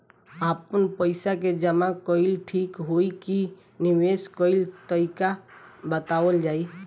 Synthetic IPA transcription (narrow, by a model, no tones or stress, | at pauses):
aːpənpəɪsaked͡ʒəmakɔɪlʈʰiːkɦoiki | nɪweskɔɪlt̪əika | bət̪aːwəld͡ʒaːi